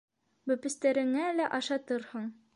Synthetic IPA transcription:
bɵ̆pɘ̆st̪æɾɘ̆ŋælæʔɑʃɑt̪ɤɾhɤɴ

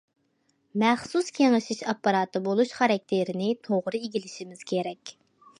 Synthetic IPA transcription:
mɛχsuskʲʰeŋɪʃiʃɑpːɑɾɑːt̪ɨbolˠuʃχɑɾɑk̚ʲt̪ʰeɾɪnɪt̪ʰoʁɾɨiɡʲilɪʃimɪz̥kʲʰeɾɛkʲ

